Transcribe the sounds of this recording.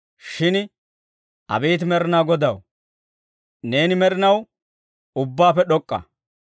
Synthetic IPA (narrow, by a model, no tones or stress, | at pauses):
ʃɪn | ʔɐ̰beːt̪̬mɛɾɪnaːɡɔd̪ɐw | ne̞ːnɪmɛɾɪnɐw | ʊbːaːpɛɗɔkʼːɐ̰